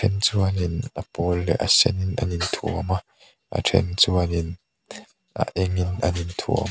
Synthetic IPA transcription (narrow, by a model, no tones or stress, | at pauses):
ɛnt͡suaninɐpɔlːɛʔa̰sɛninɐ̰nint̪ʰuma | ʔa̰tʰɛ̰nt͡suanin | ʔa̰ʔɛŋinʔɐnint̪ʰṵ